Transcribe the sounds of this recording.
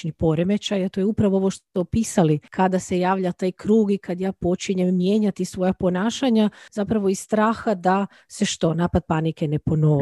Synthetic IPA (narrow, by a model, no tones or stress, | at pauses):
ɲipo̞ɾemet͡ʃajat̪o̞jeupɾaʋoo̞ʋo̞ʃt̪ot̪opiːsalikad̪ase̞jaːʋʎat̪aːjkɾuːɡikad̪jaːpo̞t͡ʃiɲemːje̞ːɲat̪isʋo̞japo̞naːʃaɲazapɾaʋoist̪ɾaːxad̪a | seʃt̪o̞naːpad̪̚panike̞nepo̞no